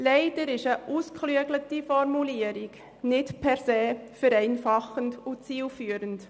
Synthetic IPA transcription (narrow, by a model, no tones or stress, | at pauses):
lɛɪd̥əɾɪʃəʔuːskʰχlyəɡlətifɔɾmuliəɾiɡ̥ | nɪtpʰɛɾseːfəɾɛɪnfɑχəndʊt͡siːlfyːəɾənt